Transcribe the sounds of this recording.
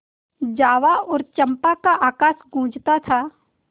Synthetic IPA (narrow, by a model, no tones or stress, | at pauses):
d͡ʒaːʋaɔːɾt͡ʃə̃mpakaʔaːkaːsɡũːd͡ʒt̪at̪ʰaː